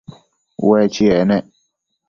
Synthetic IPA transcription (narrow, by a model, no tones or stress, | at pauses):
wɛt͡ʃiɛnɛ